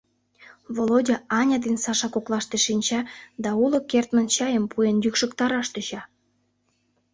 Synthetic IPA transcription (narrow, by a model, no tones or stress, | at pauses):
βolodʲɑɑnʲɑd̪ensɑʃɑkoklˠɑʃt̪eʃinʲt͡ɕɑd̪ɑulŏkert̪mənt͡ɕɑjəmpʰujenjykʃə̆kt̪ɑɾɑʃt̪yɕɑ